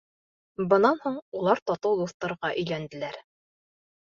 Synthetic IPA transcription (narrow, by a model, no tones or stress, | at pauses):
bɤ̆nɑnhuɴulˠɑɾt̪ɒt̪ɤwd̪uθt̪ɑɾʁɑʔɵ̆jlænd̪ɘ̆læɾ